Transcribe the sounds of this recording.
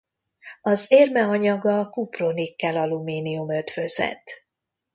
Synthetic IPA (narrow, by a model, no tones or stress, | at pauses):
ɒzeːrmɛɒɲɒɡɒkupronikːɛlɒlumiːniumøt̪fø̞zɛ̰t̪